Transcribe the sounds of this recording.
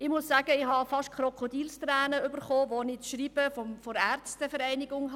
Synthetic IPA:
ɪmʊsːæːɡ̥əɪhɑfɑʃtkʰχɾɔkʰodiːlstrɛːnəʏbəɾχoːʋonɪtʃriːb̥əfɔmfɔɾæɾt͡std̥əfɛɾɛɪnɪɡʊŋɦ

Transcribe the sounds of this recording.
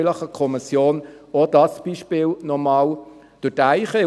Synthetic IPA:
ləχəkʰɔmɪsjoːnɔd̥ɑsb̥iʃpɪːlnɔmɑːl | d̥ʊtæɪχə

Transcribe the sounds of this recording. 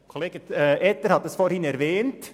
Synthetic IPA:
kʰoleːɡ̥əʔɛtəɾhɑt̪dɛsfoːɾhɪnɛɾvɛːnt

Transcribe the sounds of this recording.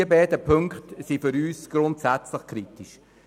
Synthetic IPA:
əbɛːdəpʰøŋkχtsifʏɾyːsɡ̥ɾʊntsæt͡sləχkʰɾitiʃ

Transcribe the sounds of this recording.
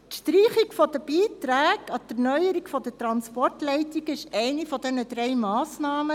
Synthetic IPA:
tʃtriːχikfɔd̥əb̥iːtɾæːɡɑtəɾnœʏəɾikfɔd̥ətɾɑnspɔrtlɛɪtiɡɪʃɛɪnifɔdɛnədɾɛɪmɑːsnɑːmə

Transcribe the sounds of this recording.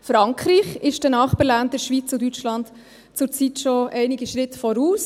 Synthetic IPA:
fɾɑŋkχɾiːχɪʃdənɑːχpəɾlandəʃʋiːt͡sʊdyt͡ʃlɑnt | t͡sʊɾt͡sitʃoʔɛɪniɡiʃɾɪtfɔɾuːs

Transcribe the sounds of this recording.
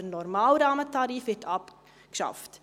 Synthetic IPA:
ənɔrmɑːlrɑːmətɑɾifhɛtʰɐp | ə̥sɐ̰ft

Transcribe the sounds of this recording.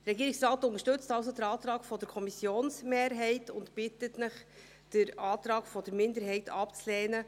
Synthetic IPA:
dɾɛɡiːɾɪksɾɑːtʊntəʃtɵt͡stɑls̬odəɾɑːt̪ɾɑːɡfɔdəɾkʰɔmisjoːnsmeːɾɦɛɪtʊntpɪtətnɪχ | d̥ɪɾɑːtɾɑːɡ̥fɔdəɾmɪndəɾɦɛɪtʰɑpt͡slɛːnə

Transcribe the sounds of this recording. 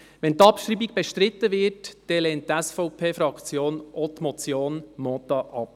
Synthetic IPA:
ʋɛntɑpʃɾiːbiɡb̥ɛʃtɾɪt̪ːəʋɪːrtd̥ɛlɛːnttæsfɔʊpʰeːfɾɑkt͡sjoːnʔɔt̪mɔt͡sjoːnmɔt̪ɑʔɑp̚

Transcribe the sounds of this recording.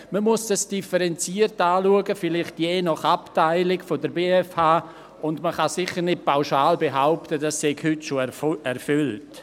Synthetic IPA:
məmuəsd̥asd̥ifəɾɛnt͡siːərtaːluəɡəfɪlɪχtjɛːnɔχaptaɪlɪkfodəɾbeːɛfhaː | ʊndməχɑsɪχəɾnɪt̚paʊʃaːlbeɦaʊptədasɛɡhʏtʃoɛɾfʏlt

